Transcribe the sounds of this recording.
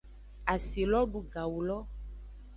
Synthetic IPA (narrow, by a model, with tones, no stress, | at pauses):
a˨si˨lɔ˦ɖu˨ɡa˨wu˨lɔ˦